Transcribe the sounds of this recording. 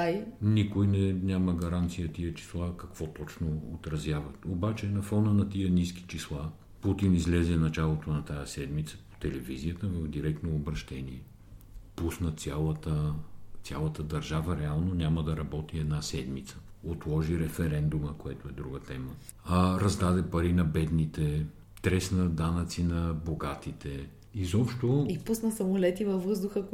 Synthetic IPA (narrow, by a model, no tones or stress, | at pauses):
ajnikojnɛnʲaməɡɐɾant̪sijət̪iət͡ʃi̥slˠakɐkv̥ɔt̪ɔt͡ʃnoot̪ɾɐzjavɐt̪obat͡ʃɛnɐfɔnənɐt̪iəniski̥t͡ʃislˠa | put̪inizlɛzɛnɐt͡ʃalˠot̪onɐt̪ajəsɛd̪mit̪sə̥po̥t̪ɛlɛvizijət̪əvəvd̪iɾɛkt̪noːbɾɐʃt̪ɛniɛ | pusnət̪sʲjalˠət̪ət̪sʲjalˠət̪əd̪ɐɾʒavəɾɛalˠnonʲaməd̪ɐɾɐbɔt̪iɛd̪nasɛd̪mit̪sə̥ot̪lˠɔʒiɾɛfɛɾɛnd̪uməkoɛt̪oɛd̪ɾuɡət̪ɛmə | ɾɐzd̪ad̪ɛpɐɾinɐbɛd̪nit̪ɛ | t̪ɾɛsnəd̪anət̪sinɐboɡat̪it̪ʰɛ | izɔpʃt̪oipusnəsɐmolɛt̪ivɐfːɤzd̪ʊxə